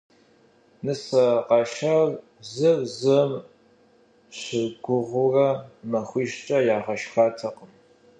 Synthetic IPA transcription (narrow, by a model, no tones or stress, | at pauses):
nɨsɐqɑʃar | zɨrzɨm | ɕɪɡʷʊʁʷʊrɐmɐχʷiːʃt͡ʃʼɐjaːʁɐʃxaːtʰɐqəm